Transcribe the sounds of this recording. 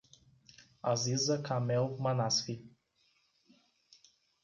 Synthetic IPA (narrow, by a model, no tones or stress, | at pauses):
azizəkʰamɛlmanasfi